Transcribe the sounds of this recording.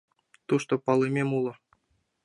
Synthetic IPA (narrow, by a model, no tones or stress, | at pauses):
t̪uʂt̪opɑlˠɤmʲemulˠɤ̆